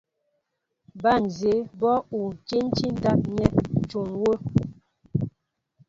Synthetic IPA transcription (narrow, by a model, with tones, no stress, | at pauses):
ba˦˨n˨ze˨˦bɔ˦u˨t͡ʃe˦n˦t͡ʃi˦n̩˦da˦p̚ɲɛ˦˨t͡ʃu˨ŋwo˦